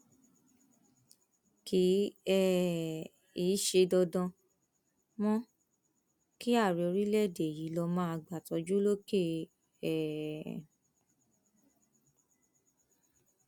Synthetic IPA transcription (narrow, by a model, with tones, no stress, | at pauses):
ki˨˦ɛ˦˨ | i˨˦ʃe˧dɔ˧dɔ̃˧ | mɔ̃˦ | ki˦a˦˨ɾe˨o˧ɾi˦lɛ˦˨de˨ji˨˦lɔ˧mãː˦a˧ɡ͡ba˨tɔ˧˦d͡ʒu˦lo˦ke˦˨ | ɛ˨